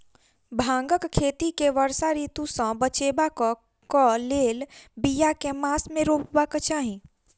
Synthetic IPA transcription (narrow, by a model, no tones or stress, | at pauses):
bʱãːŋɡəkkʰːeːt̪ikeʋəɾsaɾiːt̪ũsə̃bət͡ʃeːbakɔ | kɔleːlbijakemaːsmẽɾoːpbakət͡ʃaːɦĩ